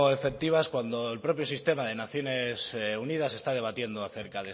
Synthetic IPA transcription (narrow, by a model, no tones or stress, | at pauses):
oefek̚t̪iβ̞askwand̪o̞elpɾo̞pjo̞sist̪e̞maðe̞naθjo̞ne̞ssunið̞ase̞st̪að̞e̞β̞at̪je̞nd̪oaθe̞ɾkaðe